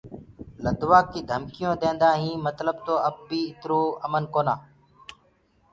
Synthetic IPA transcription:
ləd̪ʋaːkːiːd̪ʱəmkɪjõːd̪ẽːnd̪aːɦĩːmət̪ləb̚t̪oːəb̚ːiːɪt̪ɾoːəmənkoːnaː

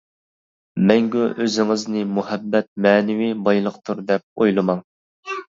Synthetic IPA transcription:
mɛŋɡʲyʔøzɪŋɪznɪmuhɛbːɛt̪̚mɛːnɪwibɑjlˠəqt̪ʰuɾd̪ɛp̚ojlˠɨmɑŋ

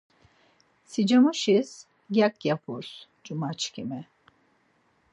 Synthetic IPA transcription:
sid͡ʒamuʃiz̥ | ɡʲakjapʰuɾ̥ | d͡ʒumat͡ʃkʰʲimɛ

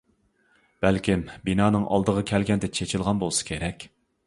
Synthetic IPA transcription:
b̥ɛlkʲimbinɑːnɨŋʔɑ̰lˠd̪əʁɑkʲʰɛlɡʲɛnd̪ɛt͡ʃʰet͡ʃʰɪlˠʁɑnbolˠɨsɨ̥kʲʰeɾɛkʲ

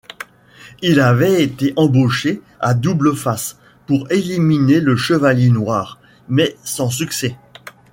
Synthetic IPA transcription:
ilavɛet̪eʔɑ̃boʃe | ad̪ubləfas | puʁelimineləʃəvaljenwaːʁ | mɛsɑ̃s̬yksɛ

